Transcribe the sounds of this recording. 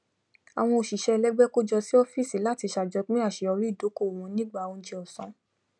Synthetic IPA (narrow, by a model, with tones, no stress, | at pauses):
a˨w̃ɔ̃˧o˨ʃi˨ʃɛ˦˧lɛ˦ɡ͡bɛ˦ko˦d͡ʒɔ˧si˦ɔ˦fi˦˨si˨˦la˦ti˧ʃa˨d͡ʒɔ˨˧˦k͡pĩ˦a˦˨ʃe˨˧˦ɔ˧ɾi˦˨do˨˦ko˦˨w̃ɔ̃˧˦nĩ˦ɡ͡ba˦˨wɔ̃˧d͡ʒe˧ɔ˨sɔ̃˨˦